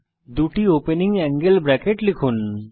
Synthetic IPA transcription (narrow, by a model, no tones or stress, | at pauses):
d̪uʈiopeniŋɛ̃ŋɡelbɾɛkeʈlikʰun